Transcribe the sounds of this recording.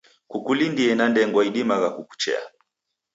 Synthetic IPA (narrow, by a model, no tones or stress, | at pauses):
kukulindiɛnandɛŋɡwaiɗimaɣakuku̥t͡ʃɛ̰a̰